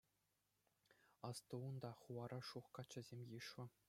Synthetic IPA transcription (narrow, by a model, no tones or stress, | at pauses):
ɑst̪uund̪ɑχuʋɑɾʔɑʂuχkɑt͡ɕːɘ̆zʲemʲjiʂʋɘ̆